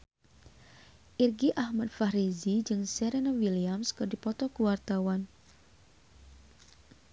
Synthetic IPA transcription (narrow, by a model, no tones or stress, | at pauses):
ʔirɡiʔahmat̪̚faɾizid͡ʒɨŋsɛɾenawiliamskɨrdipɔt̪ɔkuwart̪awan